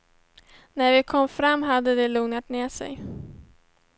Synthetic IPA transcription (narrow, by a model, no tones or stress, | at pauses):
næɾvɪkʰɔmːfɾamːɦad̪ːəd̪ɛluːŋnat̪neːʂɛ̰j